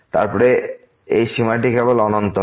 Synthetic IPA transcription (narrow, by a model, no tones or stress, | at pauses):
t̪a̰ɾpɔɾe | ejʃimaʈ̬ikʰebolɔnont̪o